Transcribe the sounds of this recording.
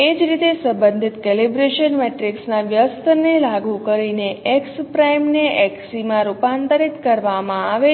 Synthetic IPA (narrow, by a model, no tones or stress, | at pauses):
ed͡ʒɾit̪esə̃mbənd̪ʱit̪kelibɾeʃənmeʈɾiksnaʋjəst̪ənelaɡukəɾineʔɛkspɾajmneʔɛksimãɾupant̪əɾit̪kəɾʋamãaʋe